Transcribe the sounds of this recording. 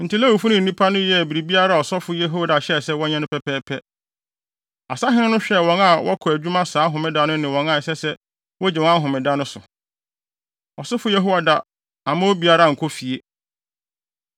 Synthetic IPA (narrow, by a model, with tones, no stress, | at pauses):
n̩˨ti˦lɛ˦wu˨fu˦nɪ̃˦n̩˨nĩ˦pʰa˦nʊ̃˦jɛ˦˨bi˨ɾi˨bi˦a˦ɾa˦˨ɔ˨sɔ˦fʊ˦jɛ˦ɦo˦a˨da˨ɕɛ˦˨sɛ˦wɔ˦ɲɛ̃˦nʊ̃˦pʰɛ˦pɛː˦pʰɛ˦ | a̰˨sa˦ɦɪ̃˦nʊ̃˦nʊ̃˦ɕᶣɛ˦˨wɔ̃˨˦na˦wɔ̰˦kʰɔ˨æ˨d͡ʑᶣu˦mã˦saː˨˦ɦʊ̃˨mɪ̃˦da˦nʊ̃˦nɪ̃˨wɔ̃˨nã˦˨sɛ˦sɛ˦ | wɔ˦d͡ʑɛ˨wɔ̃˦a˦ɦʊ̃˨mɪ̃˨da˦nʊ̃˦sʊ˨ | ɔ˨sʊ˦fʊ˦jɛ˦ɦo˦wa˦da˦ | ã˨mã˦wo˦bi˨˦a˦ɾa˦˨ŋ̩˨kʰɔ˦fi˨e˨